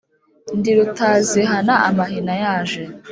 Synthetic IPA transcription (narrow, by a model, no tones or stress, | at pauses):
ndiɾutaːziɦanaʔamahinajaːʒe